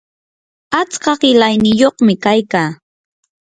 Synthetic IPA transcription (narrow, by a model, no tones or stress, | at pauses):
at͡skɑɢɪlajnɪjoχmɪkajkaː